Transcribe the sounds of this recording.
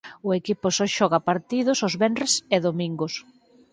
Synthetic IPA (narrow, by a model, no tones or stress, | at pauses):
ʊekipʊsɔʃɔɣɐpaɾt̪iðʊsozβɛnreseðomĩŋɡʊs